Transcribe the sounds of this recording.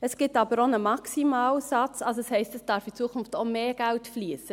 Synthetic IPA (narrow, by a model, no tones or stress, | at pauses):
əsɡ̥ɪtɑbəɾonəmɑksimɑːlsɑt͡sɑlsoɛshɛɪstəsd̥ɑɾfit͡suəkʰʊnftomeːɡ̥æltfliːsə